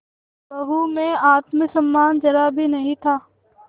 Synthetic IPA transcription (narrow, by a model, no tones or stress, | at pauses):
bɐɦumẽaːt̪misɐmːaːnd͡ʒɐɾabʱinɐɦĩt̪ʰaː